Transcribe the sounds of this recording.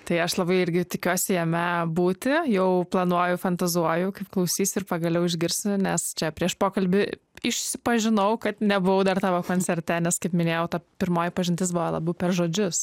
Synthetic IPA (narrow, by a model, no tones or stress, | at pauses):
t̪ɐɪɐʃlˠɐbɐɪɪɾʲɡʲɪt̪ʲɪkʲuɔsʲɪjɛmʲɛbuːt̪ʲɪjɛʊplˠɐnuɔjʊfɐnt̪ɐzuɔjʊkɐɪpklˠɐʊsʲiːsʲʊɪɾpɐɡɐlʲɛʊɪʒʲɡʲɪɾʲsʲʊnʲɛst͡ʃʲɛpʲɾʲiɛʃpoːkɐlʲbʲɪ | ɪʃʲsʲɪpɐʒʲɪnɐʊkɐt̪nʲɛbʊʋɐʊd̪ɐrt̪ɑːʋoːkoːnʲt͡sʲɛɾʲt̪ʲɛnʲɛskɐɪpmʲɪnʲeːjɛʊt̪ɐpʲɪɾmoːjɪpɐʒʲɪnʲt̪ʲɪs̬bʊʋolˠɑ̰ːbɐʊpʲɛrʒoːd͡ʒʲʊs